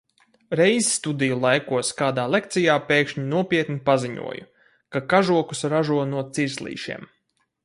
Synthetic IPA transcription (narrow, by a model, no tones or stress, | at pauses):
ɾɛjzst̪ud̪ijulˠajkuɔskaːd̪aːlˠek̚t̪sijaːpeːkʃɲinuɔpʲiɛt̪nipaziɲṵɔjṵ | kakaʒuɔku̥sɾaʒuɔnuɔt̪siɾslˠḭːʃḭɛm